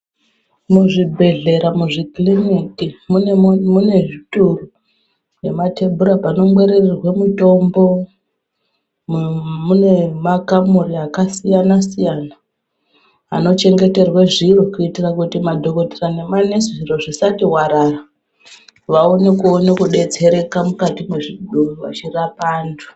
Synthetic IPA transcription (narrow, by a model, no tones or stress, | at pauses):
muʐibʱe̞ɮe̞ɾamuʐiklinikimumune̞ʐituru | je̞mate̞bʱuɾapano̞mwe̞ɾererwemuto̞mbo̞ | mune̞makamuɾiakasijanasijana | a̰no̞t͡ʃe̞ŋɡe̞te̞rwaʐirokuitirakutimadʱo̞ko̞tirane̞mane̞sʐiroʐisatiwaɾara | ʋaone̞kuonekuɗe̞d͡ze̞ɾe̞kamukatimweʐiɗuruʋa̰t͡ʃirapaːndʰu̥